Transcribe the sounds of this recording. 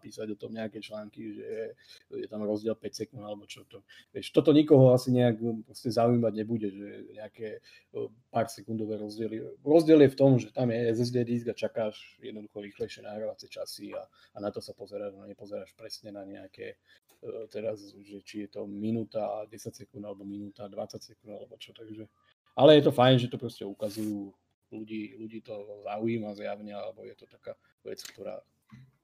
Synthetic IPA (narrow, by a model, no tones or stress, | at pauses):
apiːsaɟɔt̪ɔmɲɛakɛːt͡ʃlaːŋkiʒɛ | jɛt̪amɾɔzɟɪɛlpɛcsɛkund̪alɛbɔt͡ʃɔt̪ɔ | ʋɪɛʃt̪ɔt̪ɔɲikɔɦɔasiɲɛakpɾɔscɛzauijmaɟɲɛbuɟɛʒɛɲɛakɛ | paːɾsɛkund̪ɔʋɛːɾɔzɟɪɛliɾɔzɟɪɛljɛft̪ɔmʒɛt̪amjɛɛzɛzd̪ɛːd̪izɡat͡ʃakaːʃjɛ̰d̪nɔd̪uxɔɾiːxlɛɪʃɪɛnaɦɾaʋat͡sɛt͡ʃasiaː | nat̪ɔsapɔzɛɾaːʒnaɲɛpɔzɛɾaːʃpɾɛsɲɛnaɲɛakɛ̰ | t̪ɛɾazʒɛt͡ʃijɛt̪ɔminuːt̪aɟɛsacsɛkund̪alɛbɔminuːt̪ad̪ʋat͡sacsɛkund̪a̰lɛbɔt͡ʃɔt̪aɡʒɛ | alɛjɛt̪ɔfajnʒɛt̪ɔpɾɔscɛukazujuː | luɟiːluɟiːt̪ɔzaujiːmazjaʊɲɛalɛbɔjɛt̪ɔt̪akaː | ʋɛ̰t͡skt̪ɔɾa̰ː